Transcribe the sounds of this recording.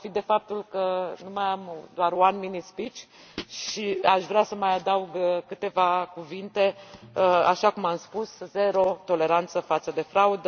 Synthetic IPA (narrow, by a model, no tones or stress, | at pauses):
fid̪e̞fap̚t̪ulkənumajamd̪oaɾoanminispit͡ʃʲ | ʃiaʃvɾasəmajad̪auɡkɨt̪e̞vakuvint̪e̞əaʃakumamspusze̞ɾo̞t̪o̞le̞ɾant̪səfat̪səd̪e̞fɾaud̪ə